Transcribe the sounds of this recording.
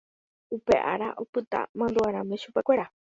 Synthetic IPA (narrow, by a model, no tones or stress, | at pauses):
upe̞ʔaɾaʔo̞pɨt̪a̰mãnd̪uaɾ̃ãmẽʃupekʷe̞ɾa